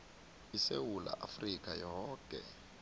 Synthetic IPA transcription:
isewula̰ʔafrik̬ʼajɔːkʼɛ

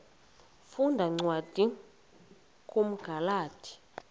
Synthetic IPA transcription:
fundʱaŋ͡ǀwad̥ʱi | kʼum̩ɡ̥ʱalaːd̥ʰʱi̥

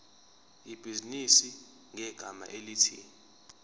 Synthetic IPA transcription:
ib̥ʱizinisi | ŋʱɛɡ̥ʱama̰ʔelitʰḭː

